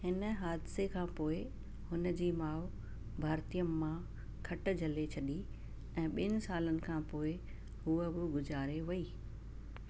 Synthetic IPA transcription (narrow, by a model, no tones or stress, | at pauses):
ɦɪnəɦaːd̪ɪsekʰãːpoːɪ | hʊnəd͡ʑiːmaːʋ | bʱaːɾt̪ijəmːã | kʰɐʈ̆d͡ʑʱɐlet͡ɕʰɐɗi | ɛ̃ːɓɪnɪ̆saːlənɪ̆kʰãːpoːɪ | ɦuəbɪɡʊzaːɾeʋɐiː